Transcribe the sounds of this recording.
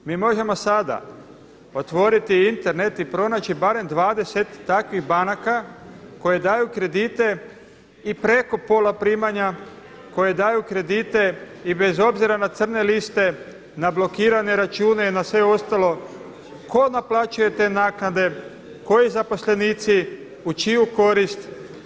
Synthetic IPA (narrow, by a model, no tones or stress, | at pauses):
miːmo̞ʒe̞mo̞sad̪a̰ | o̞t̪ʋo̞ɾit̪iint̪e̞ɾne̞t̪ipɾo̞naːt͡ʃibaɾe̞md̪ʋaːd̪e̞se̞t̪ːakʋiɣbanakako̞jed̪aːjukɾe̞d̪it̪e̞ | ipɾe̞ko̞po̞ːlapɾiːmaɲa | ko̞jed̪aːjukɾe̞d̪it̪e̞ | ibe̞zo̞bziɾanat̪sr̩ne̞list̪e̞ | nablo̞kiːɾane̞ɾat͡ʃuːne̞inasʋe̞o̞st̪alo̞ | ko̞naplˠat͡ʃuje̞t̪e̞naːknad̪e̞ | ko̞jizapo̞sle̞niːt̪si | ut͡ʃijuko̞ɾist̪